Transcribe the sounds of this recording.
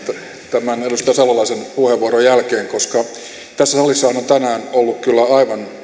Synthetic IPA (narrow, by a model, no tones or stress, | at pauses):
t̪ | t̪æmænelust̪ɑjɑselːɑlɑisenpuheʋːuoɾojælkeːŋkoskɑ | t̪æsːæsɑlisːɑhɑnont̪ænæːnolːukkylːæɑiʋɑn